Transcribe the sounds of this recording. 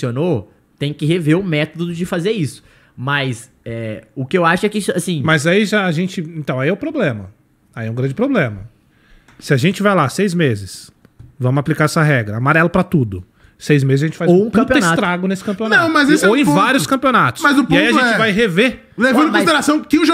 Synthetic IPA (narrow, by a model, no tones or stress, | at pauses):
iono | t̪ẽj̃kɪɦeveɾʊmɛt̪od̪ʊd͡ʒɪfazeɾisʊ̥ | mɐs | ɛʊkɪewaʃʊɛkɪisʊasĩmɐzaiʒaːʒẽnt͡ʃɪẽt̪ɐ̃w̃aiɛʊpɾoblẽmɐ | aiɛũɡɾɐ̃d͡ʒɪpɾoblẽmɐ | sɪaʒẽnt͡ʃɪvajlasejzmezɪs | vɐ̃mʊaplikaɾɛsɐɦɛɡɾɐamaɾɛlʊpɾɐt̪ud̪ʊ | sejzmezɪzɐʒẽt͡ʃɪ̥fazõpɐ̃pionast̪t̪ɾaɡʊnesɪ̥kɐ̃piõnaɐ̃w̃mɐzesowẽvaɾjʊskɐ̃mpionat̪ʊ̥smɐzʊpɪaiɐʒẽt͡ʃɛt͡ʃɪvajɦeveɾ | levɐ̃d̪ʊm̃eɾasɐ̃w̃kɪʊʒa